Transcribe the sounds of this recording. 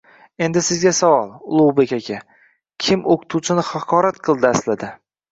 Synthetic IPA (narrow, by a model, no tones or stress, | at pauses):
e̞nd̪ɪsɪzɡʲasavɒlˠʊlˠuwbekʲakʲʰa | kʲʰɪmoqʰɨ̥t̪ʰut͡ʃʰɪnɪχɑqʰɒɾat̪qʰɨlˠd̪ɪaslad̪ɪ